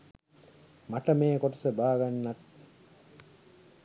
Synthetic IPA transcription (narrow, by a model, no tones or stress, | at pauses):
maʈɐmeːkoʈɐsəbaːɡanːat̪̚